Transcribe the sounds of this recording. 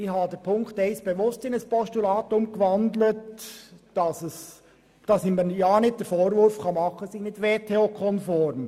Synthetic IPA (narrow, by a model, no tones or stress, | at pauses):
ɪhɑdɛɾpʰʊŋktɛɪsb̥eʋʊstɪnəspɔstulɑːtʊmɡ̥əvɑndlətd̥ɑsɛs | d̥ɑsɪmənjɑːnɪt̚d̥ɛɾfoːɾvʊɾfkɑmɑχəsɪnɪtʋeːtʰeokʰɔnfɔːɾm